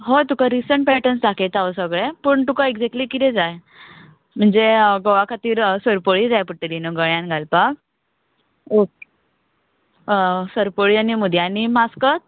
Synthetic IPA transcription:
ɦojt̪ukaɾisəɳʈpeʈənsd̪ʱaket̪aʋəsəɡɭepəːɳt̪ukaeɡd͡zek̚ʈlikit̪ẽd͡zaj | m̤əɳd͡zeɡoʋakʰat̪iːɾsəɾpəɭid͡zajpəʈːelinəɡəɭjãnɡʱalpak | ok | səɾpəɭianimud̪ʱjanimaskət̪̚

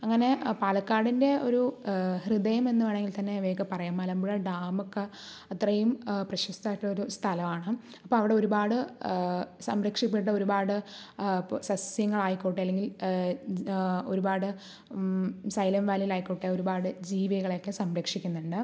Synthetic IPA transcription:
ɐŋːɐne̞paːlɐkːaːɽinde̞o̞ɾuhrid̪ɐjɐme̞nːuʋɐːɳeŋɡilt̪ɐnːe̞ʋeːkːɐpɐrɐjaːmːɐːlɐmbuɻɐɖaːmokːɐ | ɐt̪rɐjumprɐɕɐst̪aːjiʈːɭo̞ɾust̪ʰɐlɐmaːɳɨ | ɐpːoːɐʋiɽeo̞ɾubaːɽɨ | sɐmɾɐkʂipːiʈ̬ːɐo̞ɾubaːɽɨ | sɐsjɐŋːɐɭaːjikːoːʈːeɐlːe̞ŋɡil | o̞ɾubaːɽɨ | sɐjlɐmʋaːlilaːjikːoːʈːeo̞ɾubaːɽɨd͡ʑiːʋiɐɣɐɭokːesɐmɾɐkʂikʲːunːuɳɖɨ

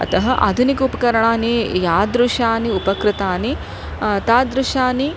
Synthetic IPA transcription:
ɐ̰t̪ɐɦɐʔa̰ːd̪ʱunikɐupɐkɐɾɐɳaːneːjaːd̪ɾuʂaːniupɐkɾɪt̪aːni | t̪aːd̪ɾuʂaːni

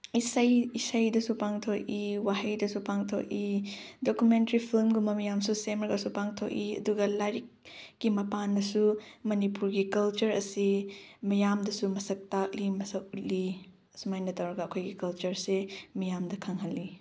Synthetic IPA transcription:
isɐjisɐjdɐsupaŋtʰok̚iwaɦɐjdɐsupaŋtʰo̰k̚idokjumentɐɾipʰilmɡumɐmɐjamsusemɾɐɡɐsupaŋtʰok̚iɐ̰duɡɐlaɾik̚ːimɐpanːɐsumɐnipuɾɡikɐlt͡ʃɐɾɐsimɐjamdɐsumɐsɐk̚tak̚limɐsɐk̚ut̚li | sumajnɐtɐwɾɐɡɐːkʰojɡikɐlt͡ʃɐɾsemɐjamdɐkʰɐŋɦɐlːi

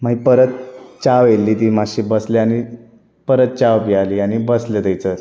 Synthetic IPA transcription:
maɦipəɾət̪t͡ɕaʋelːiːt̪iːmaɕibəsleani | pəɾət̪̚t͡ɕawpialiːañibəslet̪əjt͡səɾ

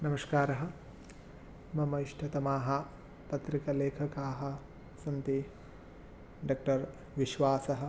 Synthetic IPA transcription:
nɐmɐskaːɾɐɦɐ̆ | mɐmɐiʂʈʰɐt̪ɐmaːɦɐ̆ | pɐt̪ɾikɐleːkʰɐkaːɦɐ̆ | sɐnt̪i | ɖaːk̚ʈɐɾ | ʋiʃʋaːsɐɦɐ̆

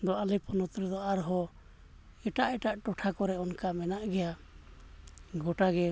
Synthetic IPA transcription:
d̪ɔʔalipɔnɔt̪ɾɛd̪ɔaɾɦɔ | ɛʈaʔɛʈaʔʈɔʈʰakɔɾɛɔnkamɛnaʔɡɛja | ɡɔʈaɡɛ

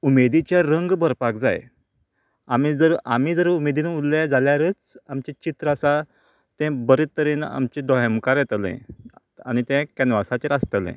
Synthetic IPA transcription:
umed̪it͡ɕjaɾəŋɡbəɾpakd͡za̰j | am̤id͡zəɾa̰m̤iːd͡zəɾumed̪inulːɛd͡zaljaɾəːt͡samt͡ɕet͡ɕit̪ɾəəsa | t̪ɛ̃bəɾet̪ːəɾiːna̰mt͡ɕed̪ɔɦjəmkaɾjɛt̪əlḛ̃ | a̰ñit̪ɛ̃kɛnʋasat͡ɕeɾast̪əlɛ̰̃

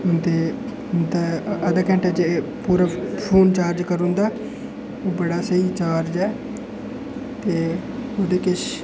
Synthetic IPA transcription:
t̪eː | nt̪aəd̪akɛ̃ɳʈed͡ʒepuːɾaːpʰoːnt͡ʃaːɾd͡ʒkəɾʊ̃nd̪aː | oːbəɽaːsəit͡ʃaːɾd͡ʒɛː | t̪eːod̪eːkɪʃ

